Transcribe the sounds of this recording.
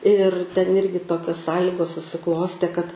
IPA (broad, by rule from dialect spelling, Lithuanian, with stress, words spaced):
ɪr tʲɛn ˈɪrʲɡʲɪ ˈtoːkʲoːs ˈsɑːlʲiːɡoːs sʊsʲɪˈklˠoːsʲtʲeː kɐt